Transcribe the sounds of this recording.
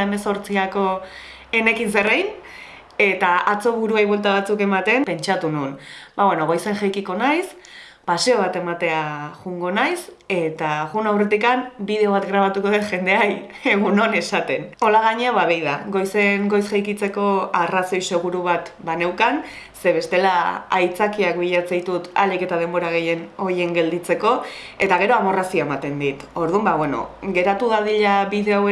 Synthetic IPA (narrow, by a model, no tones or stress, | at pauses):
eme̞so̞ɾt͡siako̞ | e̞ne̞kinse̞rejn | e̞t̪aat͡so̞βuɾuajβwe̞lt̪aβat͡suke̞mat̪e̞mpe̞nt͡ʃat̪ununbaβwe̞no̞ɣ̞o̞jse̞ŋʝejkiko̞najs | paseo̞β̞at̪e̞mat̪e̞aɣuŋɡo̞najse̞t̪aɣunawre̞t̪ikambiðe̞o̞β̞at̪ɡɾaβ̞at̪uko̞ðe̞ʝe̞nd̪e̞aj | eɣ̞uno̞ne̞sat̪e̞no̞laɣ̞aɲeaβaβejðaɡo̞jseŋɡo̞jsxajkit͡se̞ko̞araso̞jse̞ɣ̞uɾuβ̞at̪bane̞wkan | se̞βe̞st̪e̞laa̰jt͡sakiakbiʎat͡sajt̪ut̪a̰like̞t̪að̞e̞mbo̞ɾaɣ̞e̞je̞no̞je̞ŋɡe̞ld̪it͡se̞ko̞e̞t̪aɣ̞e̞ɾoamo̞rasioemat̪e̞nd̪it̪o̞ɾð̞umbaβweno̞̰ɡe̞ɾat̪uɣaðiʎaβiðe̞awe